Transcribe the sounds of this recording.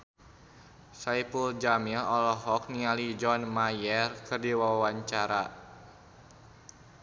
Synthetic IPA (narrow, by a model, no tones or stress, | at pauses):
saipuld͡ʒamilɔlɔɦɔk̚nialid͡ʒɔnmajɛrkɨrdiwawaɲt͡ʃaɾa